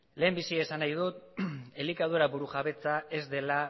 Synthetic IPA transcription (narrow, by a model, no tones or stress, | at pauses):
le̞ːmbisiesanajð̞ut̪elikaðuɾabuɾuʝaβe̞t͡saʔe̞zd̪e̞la